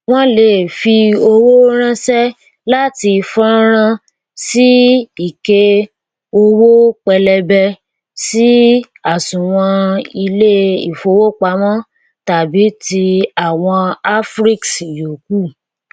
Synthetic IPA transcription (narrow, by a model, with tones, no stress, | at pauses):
w̃ɔ̃˦le˦˨fi˧o˧wo˦ɾ̃ã˦sɛ˦ | la˦ti˧fɔ̃˦ɾ̃ã˦ | si˦i˦˨ke˧ | o˧wo˦k͡pɛ˧lɛ˧bɛ˧ | si˦ | a˨sũ˨w̃ɔ̃˧i˧le˦i˦˨fo˨˦wo˦k͡pa˧˦mɔ̃˦ | ta˨bi˨˦ti˧a˨w̃ɔ̃˧a˦fɾi˦ksi˨jo˨ku˦˨